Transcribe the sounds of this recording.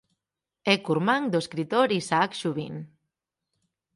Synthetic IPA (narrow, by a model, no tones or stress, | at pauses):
ekuɾmãŋd̪oeskɾit̪oɾisaːkʃuβin